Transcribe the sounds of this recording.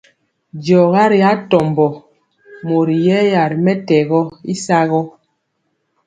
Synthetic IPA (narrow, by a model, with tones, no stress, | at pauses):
d͡ʒɔ˨ɣa˦ɾi˨a˦tɔ˨mbɔ˨ | mo˨ɾi˨jɛ˦ja˨ɾi˨mɛ˦tɛ˨ɣɔ˦i˦sa˦ɣɔ˦